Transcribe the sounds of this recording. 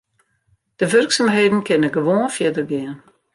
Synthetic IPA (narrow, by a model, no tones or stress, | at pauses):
d̥əʋørksamɦeːdən̩kʰɪnəɡəʋoːnfjɪdərɡɪən